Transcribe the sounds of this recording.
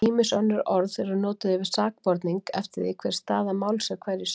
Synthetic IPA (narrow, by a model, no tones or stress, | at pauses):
iːmɪsœnːʏɾɔɾðθɛɾʏnɔːt̪ɪðɪvɪ̥saːk̚pɔɾt̪niŋkɛ̰ft̪ɪɾðɪkʰvɛɾ̥st̪aːðamawlsɛkʰvɛɾɪs